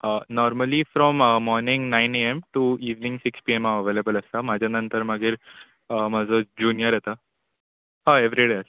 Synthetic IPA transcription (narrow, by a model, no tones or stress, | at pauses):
ənɔɾməlifɾɔmmɔɾniŋɡnaɪneemʈuiːʋnĩŋɡsikspiemaʋəʋeːlebəlɐst̪amad͡ʑʱanənt̪əɾmaɡiɾ | mad͡zod͡ʑuːnijəɾɛt̪a | ɦaeʋɾiɖeəsa